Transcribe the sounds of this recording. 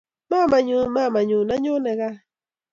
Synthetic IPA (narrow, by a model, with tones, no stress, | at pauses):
ma˦ma˨ɲu˦ma˦˨ma˨ɲu˨na˦ɲu˦ne˨ɣa˦